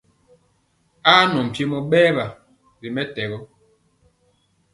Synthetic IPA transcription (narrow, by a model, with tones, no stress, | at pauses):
aː˦nɔ˨m̩˨pje˦mɔ˨ɓɛː˦ba˨ | ɾi˨mɛ˦tɛ˨ɣɔ˦